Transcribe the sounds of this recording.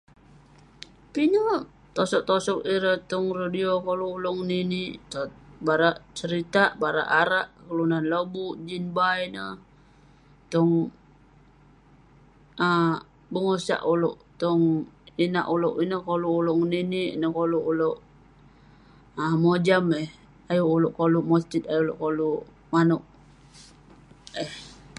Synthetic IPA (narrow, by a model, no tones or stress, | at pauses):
pino | t̪osɔʔ̚t̪osɔk̚iɾət̪ɔŋradiokoluːlʊŋniniʔt̪baɾaʔt͡ʃəɾit̪aʔbaɾa̰ʔaɾaʔkəlunanləbuʔd͡ʒinbajnə | t̪ɔŋ | ə | bəŋosa̰ʔuloʔt̪ɔŋina̰ʔuloʔinəhkoluːloʔŋniniʔnəhkoluʔuloʔ | əmod͡ʒamɛh | ajuːlʊʔkoluʔmɔst͡ʃit̪̚ajulʊ̰ʔkolu | manuʔ | ɛh